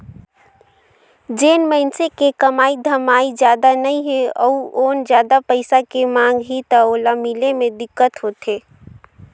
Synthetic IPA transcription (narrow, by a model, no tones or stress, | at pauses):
d͡ʒeːnməɪnsekekɐmaːid̪ʱəmaːid͡ʒjaːd̪anɐɦĩɦɛ̃ɔ̰uoːnd͡ʒjaːd̪apəɪsakemãːŋɡɦit̪aoːlamilemẽd̪ɪkːət̪ɦoːt̪eː